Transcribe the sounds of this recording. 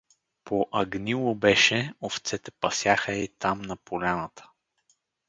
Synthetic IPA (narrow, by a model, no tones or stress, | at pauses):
pʰoʔɐɡnilˠobɛʃɛoft̪sɛt̪ɛpɐsjaxəit̪amnɐpolʲanət̪ʰə̥